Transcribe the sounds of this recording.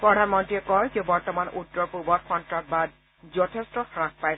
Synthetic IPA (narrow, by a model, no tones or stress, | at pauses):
pɹɔɾʱanmɔntɹiɛkɔjkɛbɔɹtɔmanutːɔɹpubɔtxʰɔntɹaɹbad | zɔtʰestɔxɹãkpaj